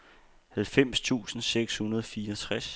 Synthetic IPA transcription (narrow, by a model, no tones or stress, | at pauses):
hælfem̰st͡sʰṵːsn̩seɡ̥shunɐð̞ˠɒ̽fiːɐt͡sʰʁas